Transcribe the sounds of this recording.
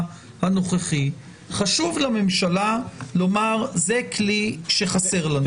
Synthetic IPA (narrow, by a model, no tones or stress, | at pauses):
hano̞χeχi | χaʃuvlame̞mʃalalo̞maʁzekliʃe̞χase̞ʁlan